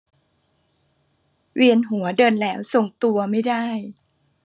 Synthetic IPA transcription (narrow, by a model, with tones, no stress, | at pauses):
wi˧ənɦu˩˦ɐdɤː˧nlɛː˦˥wso˨˩ŋt̪u˧ɐma˥˩jdaː˥˩j